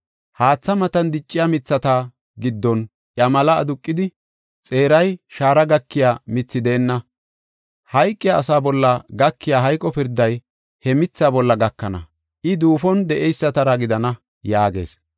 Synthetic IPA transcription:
haːt͡sːɐmɐt̪ɐnd̪ɪt͡ʃʼːɪjamɪt͡sːɐt̪a | ɡɪd̪ːɔn | ʔjɐmɐlɐːd̪ʊkʼːɪd̪ɪ | t͡sʼe̞ːɾɐjʃaːɾɐɡɐkːɪjaːmɪt͡sːɪd̪e̞ːnːɐ | hɐjkʼːɪjaːsaːbɔlːɐɡɐkːɪjaːɦɐjkʼːɔpɪɾd̪ːɐj | hɛmɪt͡sːaːbɔlːɐɡɐkːɐnɐ̰ | ʔɪd̪uːfɔnd̪ɛʔɛjsːɐt̪ɐɾɐɡɪd̪ɐnɐ | jaːɡe̞̰ːs

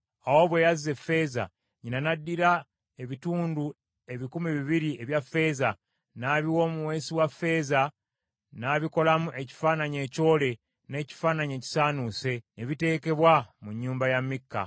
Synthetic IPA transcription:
awo̞βwe̞ːjazːe̞fːe̞ːza̰ | ɲinanadːiɾa | e̞βituːndu | e̞βikumiβiβiɾie̞βjafːe̞ːza | naβiwo̞ːmuwe̞ːsiwafːe̞ːza | naːβiko̞lamuʔe̞ci̥faːnaɲe̞ːco̞ːle̞ | ne̞ːci̥faːnaɲe̞ːci̥saːnuse̞eβite̞ːke̞βwamuɲːuːmbajamikːa̰

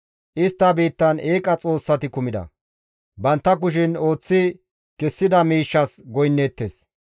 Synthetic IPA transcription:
ʔɪst̪ːɐbiːt̪ːɐne̞ːkʼɐt͡sʼo̞ːsːɐt̪ɪkʊmɪd̪ɐ̰ | bɐnt̪ːɐk̬ʊʃ̬ɪno̞ːt͡sːɪ | kɛsːɪd̪ɐmiːʃːɐsɡɔjnːeːt̪ːeːs

